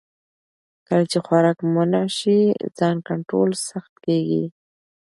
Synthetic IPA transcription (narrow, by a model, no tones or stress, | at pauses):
kəlat͡ʃexwaɾɑkmʊnaʃizɑnkaɳʈɾo̰lsaxt̪keɡḭ